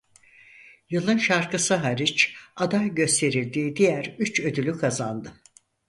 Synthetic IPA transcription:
jɯlˠɯnʃaɾkɯsɯɦaɾit͡ʃad̪ajɟø̞st̪ʰe̞ɾilʲd̪iːd̪ijæɾyt͡ʃø̞d̪ylʲykʰazand̪ɯ

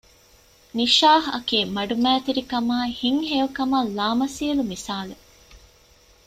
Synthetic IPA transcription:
niʃaːɦɐ̰keːmɐɖumæːt̪iɾikɐmaːhiŋɦejukɐmɐlːaːmɐsiːɐlumisaːle

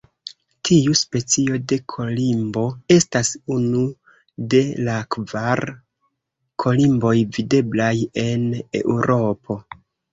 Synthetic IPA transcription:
tʰiuspe̞t͡sio̞de̞kʰo̞limbo̞e̞stasunu | de̞lakvaɾ | kʰo̞limbo̞jvide̞blaje̞ne̞̰ʔuɾʔo̞pʰo̞

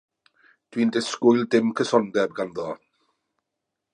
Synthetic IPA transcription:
d̥wiːndɪskʊjlˠdɪmkʰəsɔndɛbɡanðoː

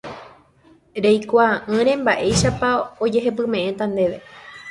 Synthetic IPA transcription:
ɾejkʷaʔɨ̃ɾẽ̞mbaʔe̞jʃapao̞d͡ʒe̞ɦe̞p̬ɨmẽ̞ʔẽ̞t̪ãnd̪e̞ʋe̞

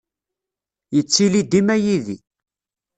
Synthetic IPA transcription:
jət͡sːilid̪imæjiðḭ

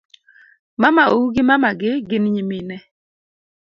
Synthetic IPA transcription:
mamaouɡɪmamaɡɪɡɪnɲiminɛ

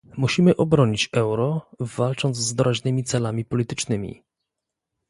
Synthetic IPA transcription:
muɕimɘʔɔbɾɔɲit͡ɕɛwɾɔvalt͡ʂɔnd̪zːd̪ɔɾaʑnɘmʲit̪sɛlamʲipɔlʲit̪ɘ̥t͡ʂnɘmʲḭ

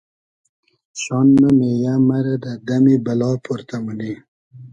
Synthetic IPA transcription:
ɕɑnːamejamaɾad̪ad̪amibalɑpʰuɾt̪aməni

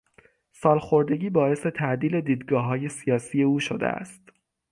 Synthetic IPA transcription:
sɒːlxo̞ɾd̪e̞ɟiːbɒːe̞se̞t̪ʰæʔd̪iːle̞d̪iːd̪ɡɒːɦɒːje̞sijɒːsije̞uːʃod̪ḛæ̰st̪

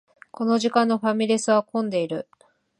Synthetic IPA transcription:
ko̞no̞ʑikãnːo̞ɸamʲiɾʲisɨβakõ̞nd̪e̞iɾɯ̟

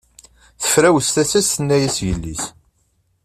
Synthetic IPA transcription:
θə̥fɾæwəst̪æsæst̪ənːæjæsjəlːis

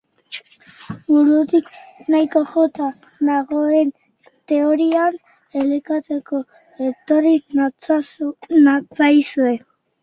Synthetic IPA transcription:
buɾut̪iknajko̞ʝot̪a | naɣoen | t̪e̞oɾian | elikat͡s̪e̞ko̞ | et̪o̞ri | nat͡sajsue̞

